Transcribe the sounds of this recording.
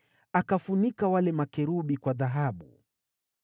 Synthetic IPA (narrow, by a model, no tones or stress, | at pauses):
akafunikawalɛmakɛɾuɓikwaðaɦaɓṵ